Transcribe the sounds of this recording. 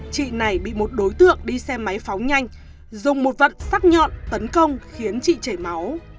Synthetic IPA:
t͡ɕḭ˧˨na˨˩jɓḭ˧˨mo˨˩t̚ɗo˨˦jt̪ɨ̰˧˨əŋɗi˧sɛ˧mːa˨˦jfa˨˦wɲa˧jŋ̟ | zʊ˨˩ŋ͡mmo˨˩t̚və̰˧˨nfaː˦˥t̚ɲɔ̰˧˨nt̪ə˨˦nkə˧wŋ͡mxi˨˦ənt͡ɕḭ˧˨t͡ɕe˧˩ma˨˦w

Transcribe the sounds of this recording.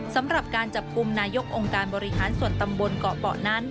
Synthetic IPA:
sa˩˦mɾa˨˩p̚kaː˧nt͡ɕa˨˩p̚ku˧mnaː˧jo˦˥k̚ʔo˧ŋkaː˧nbɔː˧ɾi˦˥ɦaː˩˦nsu˨˩ənt̪a˧mbo˧nkɔː˨˩pɔ̰ː˨˩na˦˥n

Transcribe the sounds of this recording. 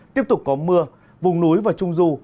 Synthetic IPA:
t̪i˦˥əp̚t̪ʊ˨˩k͡p̚kɔ˨˦mɨ˧ə | vʊ˨˩ŋ͡mnu˨˦jvaː˨˩t͡ɕʊ˧ŋ͡mzu˧

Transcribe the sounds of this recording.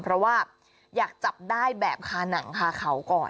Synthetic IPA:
pʰɾɔ˦˥waː˥˩ | jaː˨˩k̚t͡ɕa˨˩p̚daː˥˩jbɛː˨˩p̚kʰaː˧na˩˦ŋkʰaː˧kʰa˦˥wkɔː˨˩n

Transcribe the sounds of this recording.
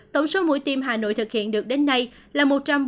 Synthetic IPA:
t̪ə˧˩wŋ͡mso˨˦mṵ˧˥jt̪i˧mɦaː˨˩no̰˧˨jt̪ɨ˨˩k̚hḭ˧˨ənɗɨ˨˩ək̚ɗe˨˦nːa˧j | laː˨˩mo˨˩t̚t͡ɕa˧mɓ

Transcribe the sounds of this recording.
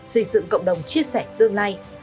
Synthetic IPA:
sɨ˧˩zɨ̰˧˨ŋkə̰˧˨wŋ͡mɗə˨˩wŋ͡mt͡ɕi˧əsɛ˧˩t̪ɨ˧əŋlaː˧j

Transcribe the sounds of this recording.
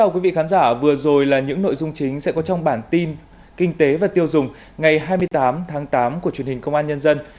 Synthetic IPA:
a˧wkwi˨˦vḭ˧˨kaː˨˦nzaː˧˩vɨ˨˩əzo˨˩jlaː˨˩ɲɨ̰˧˥ŋno̰˧˨jzʊ˧ŋ͡mt͡ɕï˨˦ŋ̟sɛ̰˧˥kɔ˨˦t͡ɕɔ˧wŋ͡mɓaː˧˩nt̪i˧n | kï˧ŋ̟t̪e˨˦vaː˨˩t̪i˧əwzʊ˨˩ŋ͡m | ŋa˨˩jɦaː˧jmɨ˧əjt̪aː˨˦mt̪ʰaː˨˦ŋt̪aː˨˦mku˧˩ət͡ɕwi˨˩ənhï˨˩ŋ̟kə˧wŋ͡mʔaː˧nɲə˧nzə˧n

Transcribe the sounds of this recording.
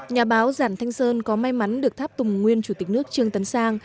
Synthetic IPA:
ɲaː˨˩ɓaː˨˦wzaː˧˩nt̪ʰa˧jŋ̟səː˧nkɔ˨˦ma˧jma˨˦nɗɨ˨˩ək̚t̪ʰaː˦˥p̚t̪ʊ˨˩ŋ͡mŋwi˧ənt͡ɕu˧˩t̪i˨˩k̟̚nɨ˦˥ək̚t͡ɕɨ˧əŋt̪ə˨˦nsaː˧ŋ

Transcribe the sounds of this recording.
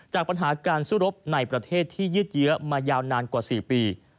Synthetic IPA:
t͡ɕaː˨˩k̚pa˧nɦaː˩˦kaː˧nsu˥˩˨ɾo˦˥p̚na˧jpɾa˧t̪ʰeː˥˩t̪ʰːiː˥˩jɯː˥˩t̪̚jɯ˦˥ɐmaː˧jaː˧wnaː˧nkwaː˨˩siː˨˩piː˧

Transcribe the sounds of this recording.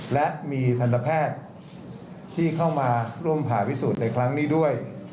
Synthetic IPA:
lɛ˦˥ʔmiː˧t̪ʰa˧na˧pʰɛː˥˩t̪̚ | iː˥˩kʰa˥˩wmaː˧ɾu˥˩əmpʰaː˩˦pʰi˦˥suː˨˩t̪̚na˧jkʰɾa˦˥ŋniː˥˩du˥˩əj

